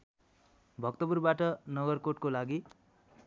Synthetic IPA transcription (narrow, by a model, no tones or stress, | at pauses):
bʱʌk̚t̪ʌburbaʈʌnʌɡʌrkoʈkolaɡi